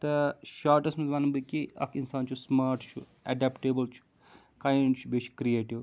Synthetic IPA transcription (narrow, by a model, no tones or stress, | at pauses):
t̪ɐʃaːɾʈɐsʈmɐzʋaːnɐbɨkiɐ̰kʰinsaːnt͡ʃʰusmaːɾʈt͡ʃʰṵ | ɛɖɛpʈeːbɐlt͡ʃʰu̥ | kãːjɳɖt͡ʃʰubeːt͡ʃʰkɾieːʈiʋ